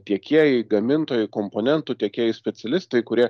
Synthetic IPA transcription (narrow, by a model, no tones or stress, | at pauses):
t̪ʲiɛkʲiɛjɛɪɡɐmʲɪnt̪oːjʊkoːmpoːnʲɛnt̪ʊt̪ʲiɛkʲiɛjɪsʲpʲɛt̪sʲɛlʲɪst̪ɐɪkʊɾʲiɛ